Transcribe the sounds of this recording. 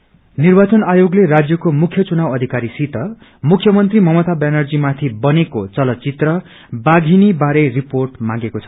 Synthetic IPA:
nirbat͡sʌnajoɡlerad͡zjʌkomukʰjʌt͡sunawʌd̪ʱikaɾisit̪ʌ | mukʰjʌmʌnt̪rimʌmʌt̪abanʌrd͡zimat̪ʰibʌnekot͡sʌlʌt͡sit̪rʌ | baɡʱinibaɾeriporʈmã̰ɡekot͡sʰʌ̥

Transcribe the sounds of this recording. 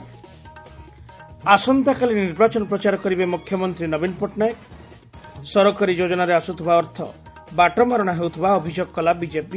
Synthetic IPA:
asɔnd̪ʱakaliniɾbat͡ʃɔnɔpɾɔt͡ʃaɾɔkɔɾibemukʰjɔmɔnt̪ɾinɔbinɔpɔʈnajek | sɔɾɔkɔɾid͡ʒod͡ʒɔnaɾeasut̪ʰubaɔɾt̪ʰɔ̰ | baʈɔmaɾɔɽ̃aɦewt̪ʰibaɔbʱid͡ʒoɡɔkɔlabid͡ʒepi

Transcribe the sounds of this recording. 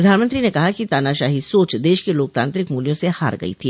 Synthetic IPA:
ɾɐd̪ʱaːnmə̃nt̪ɾinekɐɦakit̪aːnaʃaːɦisoːt͡ʃd̪eːʃkeloːk̚t̪ãːnt̪ɾɪkmuːljõseha̰ːɾɡɐ̰ḭt̪ʰiː

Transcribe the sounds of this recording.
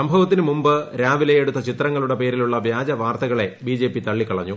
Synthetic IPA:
sɐmbʱɐʋɐt̪ːinɨmumbɨɾaːʋilɐjeɽut̪ːɐt͡ɕit̪rɐŋːɐɭuɽe̞pe̞ːɾiluɭːɐʋjaːd͡ʑɐʋaːrt̪ɐɣɐɭe̞biːd͡ʑe̞ːpːit̪ɐɭːikːɐɭɐɲːu

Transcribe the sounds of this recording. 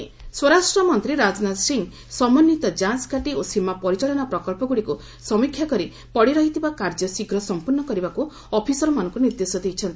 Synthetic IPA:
swɔɾasʈɾɔmɔnt̪ɾiɾad͡ʒnad̪siŋ | sɔmɔnːit̪ɔd͡ʒanskaʈiosimapɔɾit͡ʃaɭɔnɔpɾɔkɔlpɔɡuɽiku | sɔmikʰjakɔɾi | pɔɽiɾɔɦit̪ibakaɾd͡ʒɔsiɡɾɔsɔmpuɾnɔkɔɾibaku | ɔpʰisɔɾɔmanɔŋkuniɾd̪esɔd̪ejt͡ʃʰɔnt̪i

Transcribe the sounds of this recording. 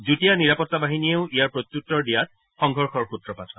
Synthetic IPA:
zutijaniɹapɔtːabaɦinieʊʔijaɹpɹot̪jutːɔɹdijat̚ | xɔŋɡʱɔɹxɔɹxutɹɔpatʰɔ

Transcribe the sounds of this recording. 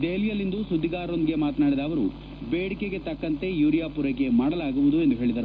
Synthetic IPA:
d̪eːlijɐlːind̪usud̪ːiɡaːɾo̞nd̪iɡe̞maːt̪naːɽid̪aːʋɐɾu | beːɽikeɡe̞t̪ɐkːɐnt̪e̞juːɾijaːpuɾeke̞maːɽɐlaːɡuʋud̪ue̞nd̪uɦe̞ːɭid̪ɐɾu

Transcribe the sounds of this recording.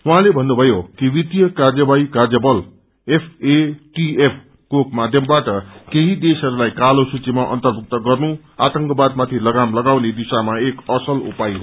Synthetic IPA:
wuɦãlebʱʌnːubʱʌjokiwit̪jʌkard͡zjʌbaikard͡zʌbʌl | epʰeʈiepʰ | kokmad̪ʱjʌmbaʈʌkeɦid̪esɦʌɾulajkalosut͡simaʔʌ̰nt̪ʌrbʱuk̚t̪ʌɡʌrnu | at̪ʌŋkʌbad̪̚mat̪ʰilʌɡamlʌɡawned̪isamaekʌsʌlṵpajɦo

